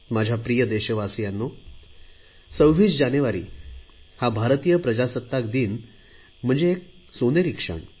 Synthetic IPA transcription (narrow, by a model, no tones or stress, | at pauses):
mad͡ʑʱjapɾijəd̪eɕəʋasijanːo | səʋʋiːt͡sd͡ʑaneʋaɾḭːhabʱaɾt̪ijəpɾəd͡ʑasət̪ːakd̪iːn | m̤əɳd͡zeːk̚soneɾikʂə̰ɳ